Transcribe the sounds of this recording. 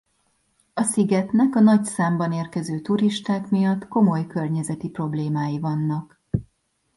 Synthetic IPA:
ɒsiɡɛt̪nɛkɒnɒcsaːmbɒneːrkɛzøːt̪uɾiʃt̪aːkmijɒt̪ːko̞mo̞jkø̞rɲɛzɛt̪ipro̞bleːmaːjivɒnːɒk

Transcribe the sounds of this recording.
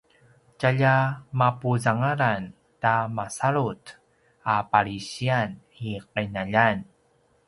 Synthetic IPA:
caʎamapuzaŋaɾan | tamasaɾut | apaɾiɕian | iqanaʎan

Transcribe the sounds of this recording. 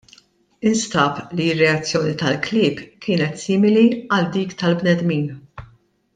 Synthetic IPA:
ɪnst̪ɐːpliɪrːɛɐt͡sːjɔːnit̪ɐlklɪːpkɪːnɛt̪sɪːmɪliɐld̪iːkt̪ɐlbnɛd̪miːn

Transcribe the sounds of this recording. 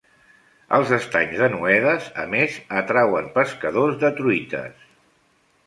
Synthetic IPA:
əlˠzəst̪aɲzðənuɛðəzə̰mezət̪ɾawəmpəskəðozðət̪ɾuit̪ə̰s

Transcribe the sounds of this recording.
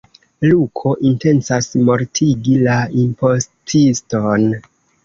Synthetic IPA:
lukʰo̞ʔinte̞nsasmo̞ɾtʰiɡilaimpo̞stʰiston

